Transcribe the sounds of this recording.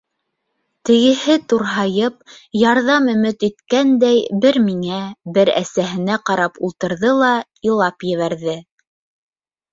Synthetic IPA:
t̪ɘ̆ɡɘ̆hɘt̪uɾɦɑjɤp̚jɑɾðɑmɵ̆mɘt̪it̪kænd̪æjbɘɾmiŋæbɘɾæ̰sæɦɘ̆næqɑɾɑpulˠt̪ɤ̆ɾðɤlˠɑ | ilˠɑpjɘ̆βæɾðɘ

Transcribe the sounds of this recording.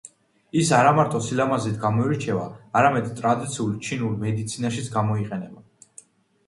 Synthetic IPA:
isaɾamaɾt̪ʼɔsilamazit̪ʰɡamɔiɾt͡ʃʰɛvaːɾamɛd̪t̪ʼɾad̪it̪sʰiult͡ʃʰinulmɛd̪it̪sʰinaʃit̪sʰɡamɔiqʼɛnɛba

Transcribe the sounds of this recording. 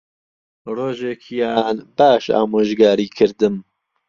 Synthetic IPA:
roːʒekʰijaːnbaːʃa̰ːmoːʒɡaːɾiːkʰɨɾd̪ɨm

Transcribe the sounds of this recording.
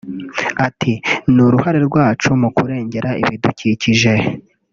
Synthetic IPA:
atʰinuɾuhaɾe̞ɾɡwaːt͡ʃumukuɾe̞ːɲɟe̞ɾaḭβiduciciʒe̞

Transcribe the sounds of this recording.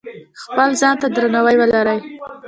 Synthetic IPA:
xpəlzɑnt̪ad̪ɾanawajwəlaɾəj

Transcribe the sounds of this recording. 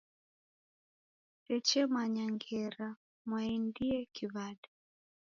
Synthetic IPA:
tɛt͡ʃɛmaɲaŋɡɛɾa | mwaɛndiɛkiβada

